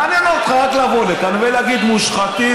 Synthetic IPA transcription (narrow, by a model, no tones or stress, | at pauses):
aninot̪χat̪lavolekanveleaɡid̪muʃχat̪i